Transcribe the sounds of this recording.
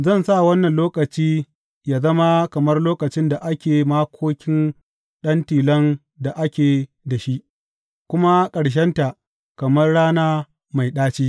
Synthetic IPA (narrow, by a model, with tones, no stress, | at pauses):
zɐ˦˨nsa˦˨wɐ˦nːɐ˨nloː˦kɐ˨t͡ʃiː˦ | jaː˦zɐ˦ma˦kɐ˨mɐ˦rloː˦kɐ˨t͡ʃɪ˦nda˨ʔa˦kʲeː˨maː˦kʷʰoː˦kʲɪ˦n | ɗɐ˦ntiː˨lɐ˦n | da˨ʔa˦kʲeː˨ | da˨ʃi˦ʔ | kʷʊ˦ma˦kʼɐ˨ɽʃ̬ɛ˦nta˨ʔ | kɐ˨mɐ˦rɽaː˦naː˦ | ma˨jɗaː˦t͡ʃiː˦